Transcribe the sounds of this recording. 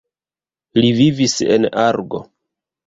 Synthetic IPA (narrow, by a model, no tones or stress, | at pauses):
livivise̞̰naɾɡo̞̰